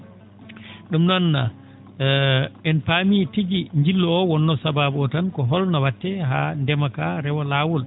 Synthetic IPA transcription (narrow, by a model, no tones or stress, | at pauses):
ɗumnɔnːa̰ | ɛnpamitiɡiɲd͡ʒilːɔɔwɔnːɔsababuɔtankɔɦɔlnawatːɛɦandɛmakaɾɛwɔlaːwul